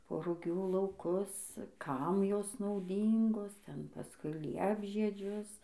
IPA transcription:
poː rʊˈɡʲuː lˠɐʊˈkʊs ˈkɐm ˈjoːs nɐʊˈdʲiːŋɡoːs ˈtʲɛn pɐˈskʊɪ ˈlʲiɛbʲʒʲiɛd͡ʒʲʊs

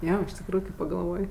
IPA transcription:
ˈjoː ɪʃ tʲɪkˈruːjʊ kɐɪ pɐɡɐlˠˈʋoːj

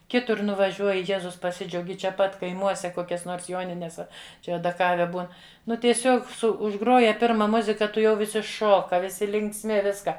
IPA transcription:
ˈkʲɪtʊr nʊʋɐˈʒʲuɔjɪ ˈjæːzʊs pɐˈsʲɪd͡ʒʲɛʊɡʲɪ t͡ʃʲɛ ˈpɐt kɐɪˈmuɔsʲɛ ˈkoːkʲɛs ˈnoːrs ˈjoːnʲɪnʲɛs ˈɐ ˈt͡ʃʲɛ ɐdɐˈkɑːʋʲɛ ˈbuːn ˈnʊ tʲiɛˈsʲoːk ˈsʊ ʊʒˈɡroːjɛ ˈpʲɪrmɐ ˈmʊzʲɪkɐ tʊˈjɛʊ ʋʲɪˈsʲɪ ˈʃoːkɐ ʋʲɪˈsʲɪ lʲɪŋksʲˈmʲɪ ˈʋʲɪskɐ

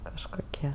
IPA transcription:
kɐʃkoːˈkʲiɛ

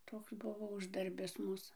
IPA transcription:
ˈtoːks ˈbʊʋoː ˈʊʒdɐrʲbʲɪs ˈmuːs

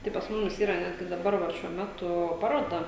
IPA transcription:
tɐɪ pɐs ˈmʊmʲɪs ˈiːrɐ ˈnʲæːdʲɡʲɪ dɐˈbɐr ʋɐ ʃʲuɔ ˈmʲæːtʊ ˈpɑːroːdɐ

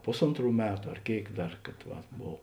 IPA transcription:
ˈpʊsoːntˌruː ˈmʲæːtʊ ɐr ˈkʲeːɪk ˈdɐr kɐt ˈʋɐt ˈboːw

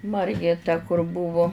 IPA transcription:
ˈmɐrʲɡʲeː tɐ kʊr ˈbʊʋʊ

